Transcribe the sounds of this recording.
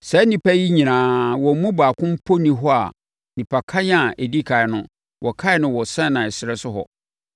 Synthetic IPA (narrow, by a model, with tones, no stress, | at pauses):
sɛ˨˦nĩ˨pʰa˦ji˦ɲĩ˨nãː˨˦wɔ̃˨˦mũ˦baː˨kʰʊ̃˦m̩˦pʰo˦nĩ˨ɦɔ˦a̰˨ | nĩ˨pʰa˨kʰa˦ɲ˦a˨ʔe˨di˦kʰa˨ɪ˨nʊ̃˦ | wʔɔ˨kʰa˦ɪ˨˦nʊ̃˦wɔ˨sɛ̃˦nã˨sɪ˨ɾɛ˦sʊ˦hɔ̰˨